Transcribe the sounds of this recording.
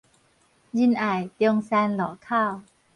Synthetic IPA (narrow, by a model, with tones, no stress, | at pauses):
ji˧nʔa˨˩jt̪i˧ŋsɛː˧nlɔː˩˦kʰaː˥˩w